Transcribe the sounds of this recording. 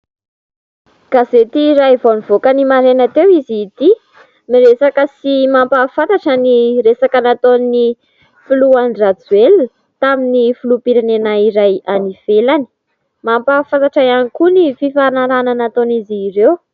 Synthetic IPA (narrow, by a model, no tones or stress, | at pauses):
ɡ̥azet̪iːɾajvonivokənimaɾenat̪ewizit̪i | miɾesakəsimampafat̪aʈ͡ʂaniresakanat̪onni | fuluanrat͡suel | t̪aminifulupiɾanenaiɾajaniv̥elani̥ | mampafat̪aʈ͡ʂajanikunififanaɾananat̪onizirew